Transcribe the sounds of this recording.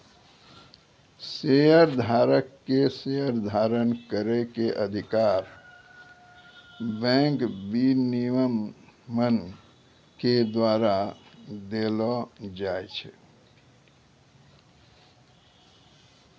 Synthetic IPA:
sejəɾd̪ʱaːɾəkːesejəɾd̪ʱaɾənkəɾekeʔəd̪ʱikaːɾ | bɛ̃ŋkbiniʋəmːən | ked̪waɾad̪elɔd͡ʒaet͡ʃʰɛ

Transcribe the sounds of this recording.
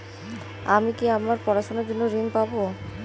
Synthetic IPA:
amikiamaɾpɔɾaʃonaɾd͡ʑonːoɾiŋpabo

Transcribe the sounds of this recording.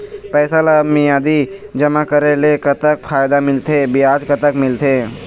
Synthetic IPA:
pɛːsalamijaːd̪id͡ʒəmakəɾelekət̪ək̚pʰaːjd̪amɪlt̪ʰebɪaːd͡ʒkət̪əkmɪlt̪ʰeː

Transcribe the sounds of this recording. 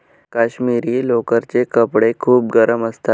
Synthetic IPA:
kaɕmiɾiːlokəɾt͡ɕekəpɽekʰuːp̚ɡəɾəməst̪at̪

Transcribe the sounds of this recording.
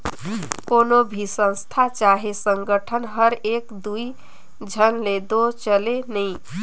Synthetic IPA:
konobʱisə̃w̃st̪ʰat͡ʃaɦesəŋɡəʈʰənɦəɾekd̪ui | d͡ʒʱənled̪ot͡ʃəlenəj

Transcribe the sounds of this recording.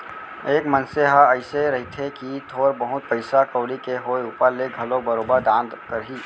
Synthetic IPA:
eːkmənseɦaəɪseɾɐɦit̪ʰekit̪ʰoːɾbəɦʊt̪̚pəɪsakəːlikeɦoːjuːpəɾleɡʱɐlõbəɾoːbəɾd̪ãːnd̪kəɾɦiː

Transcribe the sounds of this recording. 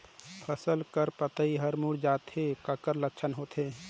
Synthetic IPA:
pʰəsəlkəɾpət̪əiɦəɾmuɽd͡ʒaːt̪ɦekəkəɾləkːt͡ʃʰənɦoːt̪ɦẽ

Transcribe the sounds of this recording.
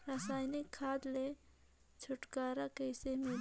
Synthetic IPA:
ɾasaːjnɪkʰːaːd̪le | t͡ʃʰʊʈkaːɾakəɪsemẽ

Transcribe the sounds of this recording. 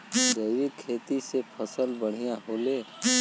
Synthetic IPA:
d͡ʒəɪɾikʰet̪isepʰəsəlbəɽ̤ijaɦole

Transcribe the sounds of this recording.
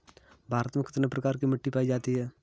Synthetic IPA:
bʱaːɾət̪mẽkɪt̪nepɾɐkaːɾkimɐʈːipaːid͡ʒaːt̪iɦɛː

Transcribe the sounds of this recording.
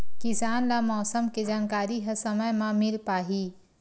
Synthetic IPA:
kɪsaːnlamɔːsəmked͡ʒaːnkaːɾiɦɐsɐməjmãmɪlpaːɦiː

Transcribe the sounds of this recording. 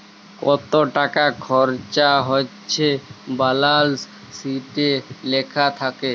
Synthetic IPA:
kɔt̪oʈakakʰɔɾt͡ɕaɦoːt͡ɕʰebalals | siʈelekʰat̪ʰake

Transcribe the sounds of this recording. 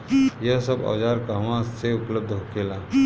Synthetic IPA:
jəɦsəba̰ːd͡ʒaːɾkaɦʋãseʊpləb̚d̪ʱɦokela

